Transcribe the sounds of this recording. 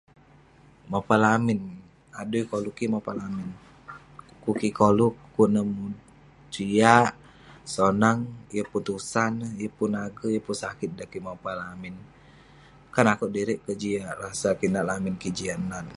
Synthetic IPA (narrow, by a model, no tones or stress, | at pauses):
mapalamin | adujkolukimapalamin | kukikolukːunəmu | d͡ʒiaʔ | sonaŋjəput̪usanjəpunaɡəjəpunsakit̪̚dakimapalamin | kanakuʔdiɾɛʔkəd͡ʒiaʔrasakinaʔlaminkid͡ʒianan